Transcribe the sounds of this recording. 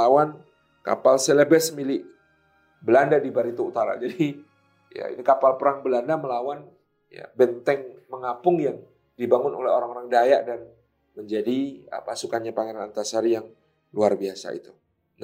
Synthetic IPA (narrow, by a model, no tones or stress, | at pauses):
awan | ka̰palselebɛsmilɪʔ | bəlandadibaɾit̪uut̪aɾa̰d͡ʒadi | ja̰ḭnikapalpəɾaŋbəlandaməlawan | ja̰bɛnt̪ɛŋməŋapʊŋjaŋ | dibaŋʊno̰lɛoɾaŋoɾaŋdajaʔdan | məɲd͡ʒadiə̰pasukanɲapaŋaɾanant̪asaɾijaŋ | luarbiasa̰ḭt̪u | na